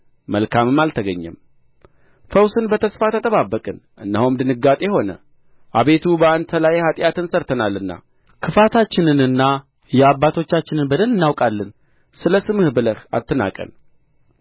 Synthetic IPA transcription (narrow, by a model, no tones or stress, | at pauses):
məlkʰamɨmːalt̪ʰəɡəɲːɛ̰m | fəwsɨnbət̪ʰəsfat̪ʰət̪ʼəβabːəkʼɨnʔɨnːəhumd̪ɨnɨɡat̪ʼe̞ho̞nə̰ | ʔaβe̞t̪ʰubəant̪ʰəlajhat̪ʼjat̪ɨnsəɾt̪ʰənalːɨnːa̰ | kʰɨfat̪ʰat͡ʃːɪnɨnɨnːa | jɛabːat̪ʰo̞t͡ʃːat͡ʃːɪnɨnbəd̪əlɨnːawkʼalːɨn | sɨləsɨmɨhbɨləɾa̰t̪ʰːɨna̰kʼə̰n